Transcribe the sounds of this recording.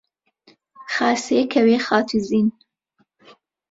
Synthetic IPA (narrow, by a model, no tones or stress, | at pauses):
xɑːseːkʰɐweːxɑːt̪ʰiziːn